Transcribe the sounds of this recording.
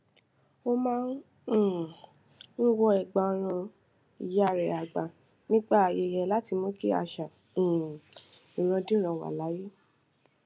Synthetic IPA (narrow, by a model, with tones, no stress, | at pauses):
o˦mãː˦n̩˦˨ | wi˦wɔ˧ɛ˨ɡ͡ba˨˧ɾ̃ã˧ | i˨jɾɛ˨a˨ɡ͡ba˨ | nĩ˦ɡ͡ba˦˨a˨˧je˧˨jɛ˧la˦ti˧mõ˦ki˦a̰˧˨ʃã˨ | ĩ˨ɾ̃ã˧dĩ˦ɾ̃ã˧wa̰˨la˨˦je˦